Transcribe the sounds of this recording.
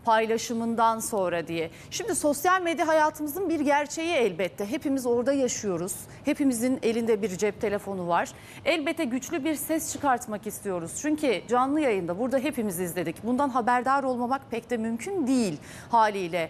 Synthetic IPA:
pʰajlˠaʃɯmɯnd̪anso̞nɾad̪ijɛ | ʃimd̪iso̞sjalʲmed̪jaɦajaːt̪ʰɯmɯzɯnbiɾɟæɾt͡ʃʰe̞jiɛlʲbɛt̪ʰːɛɦe̞pimizo̞ɾd̪ajaʃɯjo̞ɾuz̥ | he̞pimizine̞lʲind̪ɛbiɾd͡ʒɛp̚t̪ʰe̞lʲe̞fo̞nuvaɾ̥ | ɛlʲbɛt̪ːɛɟyt͡ʃlʲybiɾsɛst͡ʃʰɯkaɾt̪makist̪ʰijo̞ɾuz̥t͡ʃʰyɲcʰid͡ʒanlˠɯjajɯnd̪abuɾd̪aɦe̞pimizizlʲe̞d̪icbund̪anɦabæɾd̪aːɾo̞lˠmamak̚pʰɛct̪ɛmymcʰynd̪ijilʲ | haːlʲiːlʲɛ

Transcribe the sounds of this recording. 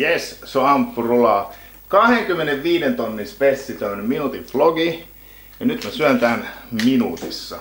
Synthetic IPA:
jessoɑmpːurolɑ | kɑheŋkymːeneʋʋiːdent̪onːinspesːit̪æmːønːemminut̪iʋfloɡi | jɑnyt̪mesyænt̪ænminṵːt̪isːɑ̰

